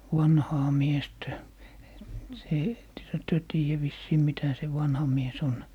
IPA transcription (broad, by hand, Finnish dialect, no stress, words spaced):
wɑnhɑː miestæ se etːehæ tyø tiːjæ ʋisːiː mitæ se ʋɑnhɑ mies on